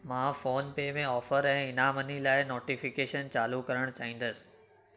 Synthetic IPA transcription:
mãːfoːnpeːmẽɔːfəɾɛ̃ːɪnaːmənilaːɪnoːʈifɪkeːʃənt͡ɕaːlukɐɾəɽ̃t͡ɕaːɦĩːnd̪əsɪ̥

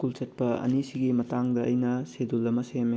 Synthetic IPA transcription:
kult͡ʃɐt̚pɐɐ̰nisiɡimɐtaŋdɐʔɐ̰jnɐsedulɐmɐsem

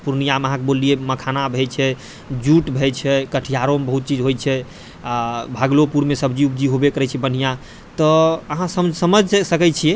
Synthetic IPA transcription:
puɾnijaməɦãkebolːieməkʰanabʱɛt͡ʃʰɛ | d͡ʒuʈbʱɛt͡ʃʰɛkəʈʰijaɾomebəɦut̪̚t͡ʃid͡ʒɦojt͡ʃʰɛ | abʱaɡlopuɾmesəbd͡ʒiubd͡ʒiɦobekəɾɛt͡ʃʰɛbən̤ija | t̪ɔəɦãsəmd͡ʒʱsəməd͡ʒʱsəkɛt͡ʃʰijɛ

